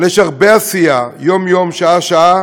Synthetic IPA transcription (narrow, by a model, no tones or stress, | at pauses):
leʃaʁbeasijajomjomʃaaʃaa